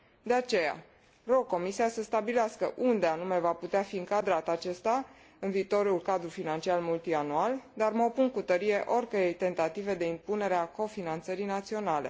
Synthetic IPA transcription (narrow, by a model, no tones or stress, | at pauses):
d̪e̞at͡ʃe̞ja̰ | ro̞ɡ̚kːo̞misiasəst̪abileaskəʔund̪e̞anume̞vaput̪eafiɨŋkad̪ɾat̪at͡ʃe̞st̪a | ɨnviːt̪o̞ɾulkad̪ɾufinant͡ʃialmult̪ianuald̪arməo̞puŋkut̪əɾije̞ʔo̞rʲkəɾejt̪e̞nt̪at̪ive̞d̪e̞impune̞ɾeako̞finant̪səɾinat̪sio̞nale̞̰